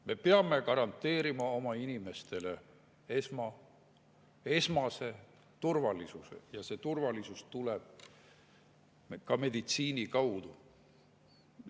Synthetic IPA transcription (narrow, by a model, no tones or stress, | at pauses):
me̞peɑme̞kɑɾɑnt̪ˑːe̞ːɾimɑo̞mɑinime̞st̪e̞le̞ | esmɑ | e̞smɑse̞ | t̪urvɑlisusḛjɑse̞t̪urvɑlisust̪uleb̥̚ | kɑme̞d̪̥it̪siːnikɑwd̪̥u